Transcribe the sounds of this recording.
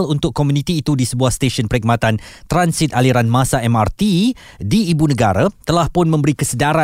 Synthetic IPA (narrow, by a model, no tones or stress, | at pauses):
lunt̪ʊkːomũnĩt̪iːt̪udisəbuahst̪eʃənpəɾik̚mat̪ant̪ɾansɪt̪̚aliɾanmasaɛmart̪i | diːbunəɡaɾat̪əlahpʊnmə̃mbəɾikəsədaɾa